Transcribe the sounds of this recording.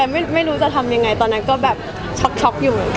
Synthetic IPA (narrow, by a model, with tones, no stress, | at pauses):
ɛː˧˩ma˥˩ma˥˩jɾuː˦˥t͡ɕa˨˩t̪ʰa˧mja˧ŋːa˧jt̪ɔː˧nːa˦˥nkɔː˥˩bɛː˨˩p̚ | t͡ɕʰɔ˦˥k̚t͡ɕʰɔ˦˥k̚juː˨˩mɯ˦˥k